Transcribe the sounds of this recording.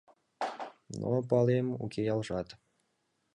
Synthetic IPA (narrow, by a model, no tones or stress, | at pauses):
no̰pɑlemṵkejɑlʒɑt̪